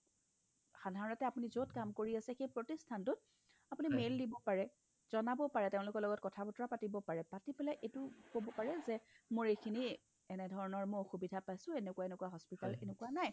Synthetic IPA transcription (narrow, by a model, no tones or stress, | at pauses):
xadʱaɹɔnɔtɛapunizotkamkoɹiasɛxejpɹotistʰantʊt̚ | apʊnimelːdibɔpaɹɛ | z̥ɔnabɔpaɹɛteʊ̃lʊkɔɹlɔɡɔt̚kɔtʰapɔtɔɹapatibɔpaɹɛpatipɛlaʔetʊkobɔpaɹɛzɛmoɹejkʰini | ɛnɛdʱɔɹɔnɔɹmʊoxubidʱapajsʊ̃enekuwaenekuaɦɔspitalenekuanaj